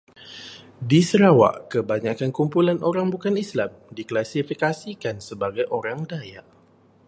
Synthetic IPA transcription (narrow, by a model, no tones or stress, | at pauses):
disəɾawa̰ʔkəbaɲakankumpulanʔoɾaŋbukanislamdiklasifikasikansəbaɡajʔoɾaŋdaja̰